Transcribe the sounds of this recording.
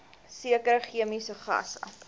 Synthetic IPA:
siəkəɾəχiəmisəχɐ̰sɐ̰

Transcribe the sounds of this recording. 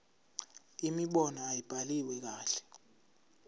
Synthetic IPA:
imiɓɔnɔajib̥ʱaliwɛk̬aːɬɛ̥

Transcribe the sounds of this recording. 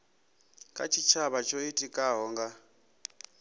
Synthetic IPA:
kʼa̰t͡ʃʰit͡ʃʰaβat͡ʃʰoitʼikʼaɦɔːŋɡa

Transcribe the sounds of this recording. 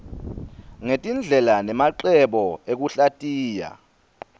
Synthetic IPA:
ŋetʼind͡ɮʱɛlanɛmaǃɛɓɔek̬uɬatʼiːja̰

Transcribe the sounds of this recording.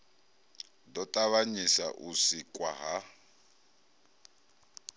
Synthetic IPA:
dɔtʼaβaɲisaʔusikʼwaɦa

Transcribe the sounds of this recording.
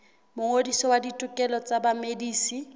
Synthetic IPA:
mʊŋodisɔwaditʼʊkʼɛlɔt͡sʼabamediːsi

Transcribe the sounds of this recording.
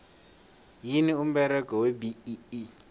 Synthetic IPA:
jinium̩bɛɾɛkɔwebiii

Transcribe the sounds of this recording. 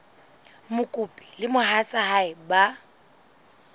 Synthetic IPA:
mʊkʼupʼi̥lɪmʊɦasahaɪba

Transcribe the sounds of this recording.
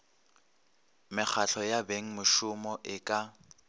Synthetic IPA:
mɪk͡xʰaɬʰɔjabeŋ̩mʊʃʊmɔʔɪkʼa

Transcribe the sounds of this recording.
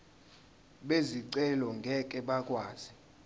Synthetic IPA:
ɓeziǀɛlɔŋɡʱɛk̬ʼɛɓakʼwaːz̥i

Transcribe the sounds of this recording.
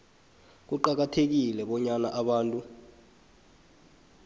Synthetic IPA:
k̬uǃak̬atʰek̬ilɛɓɔɲana̰ʔaɓaːntʼu

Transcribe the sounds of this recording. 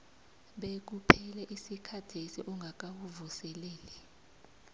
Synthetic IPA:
ɓek̬upʰɛlɛʔisikʰad̥ʰʱesiʔuŋɡʱak̬awuvusɛleːlɛ

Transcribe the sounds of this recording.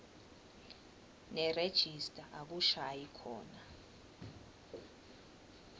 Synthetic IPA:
nɛred̥ʒ̥ʱistʼaʔak̬uʃaːjikʰɔ̰ːna

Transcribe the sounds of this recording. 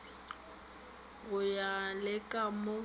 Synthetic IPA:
ɣʊjalɪkʼamʊ

